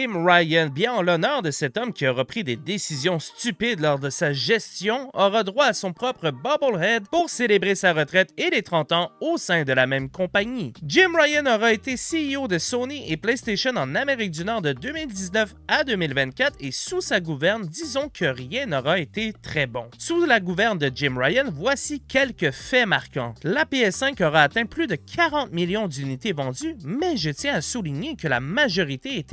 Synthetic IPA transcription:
ɪmʁajənbjɛ̃ɑ̃lɔnœːʁd̪əsɛt̪ɔmkʲiɔʁapχid̪ed̪esizjɔ̃st̪ypɪd̪lɔʁd̪əsaʒɛst̪jɔ̃ɔʁad̪ʁwaːsɔ̃pχɔpʁəbɑbolʁɛd̪puʁselebʁesaʁət̪ʁɛt̪elet̪χɑ̃t̪ɑ̃osɛ̃d̪əlamɛ̃mkɔ̃paɲid͡ʒɪmʁajanɔʁaet̪esiiod̪əsoniʔeplɛjst̪eʃɔnɑ̃nameʁik̚d̪ynɔːʁd̪əd̪ømild̪iznœfad̪øːmilvɛ̃t̪̚kʲat̪χesusaɡuvɛʁnd̪izɔ̃kʰəʁjɛ̃nɔʁaet̪et̪χɛbɔ̃sulaɡuvɛʁnd̪əd͡ʒɪmʁajənvwasikʲʰɛlkʲəfɛmaʁkɑ̃lapeɛsɛ̃kɔʁaːt̪ɛ̃plyd̪əkʲʰaʁɑ̃t̪miljɔ̃d̪ynit̪evɑ̃d̪ymɛʒət̪jɛ̃asuliɲekəlamaʒɔʁit̪eet̪ɛ

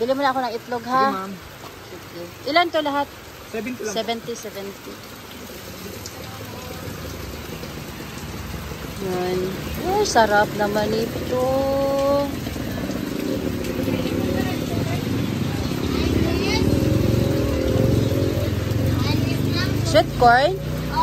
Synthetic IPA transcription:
bɪlimʊnɐɐkonɐŋɪt̪loɡha | ʔoːkɛʔɪlant̪olɐɦat̪̚ | ssɛbɛnt̪isɛvɛnt̪i | janʔosɐɾap̚nɐmanɪt̪o | ʃɪt̪̚kɔɹn

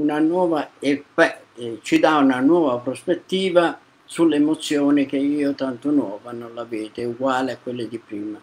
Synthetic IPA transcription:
unanwɔːvaɛfɛ | t͡ʃid̪aunanwɔːvapɾɔspet̪ːiːva | sulːemot̪sːjɔːnɪk̟eiːot̪ant̪ʊnwɔːvanɔnlavɛːt̪ɪuɡwaːlɪakːwelːɪd̪ipɾiːma

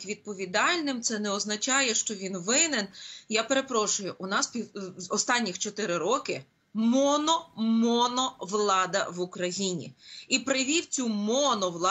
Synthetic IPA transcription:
kʋʲid̪̚pɔʋʲid̪ɑlʲnɪmt̪sɛnɛɔznɐt͡ʃɑjɛʃt͡ʃɔʋʲinʋɪnenjapeɾe̞pɾɔʃʊjʊʔʊnɑspʲiɔst̪ɑnʲːixt͡ʃɔt̪ɪɾɪɾɔkɪ | mɔnɔmɔnɔʋlˠɑd̪ɐʋʊkɾɐjinʲḭipɾɪʋʲiwt͡sʲumɔnɔʋlˠɑ

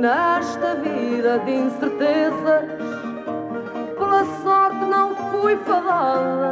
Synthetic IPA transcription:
nɛʃt̪ɐviðɐðĩsɨɾt̪ezɐ | polˠɐsɔɾt̪nɐ̃w̃fojfɐlˠaðɐ

